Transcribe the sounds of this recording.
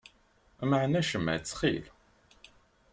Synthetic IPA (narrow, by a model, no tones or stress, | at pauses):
məʕnæʃəmːæ̰t͡sːχḭl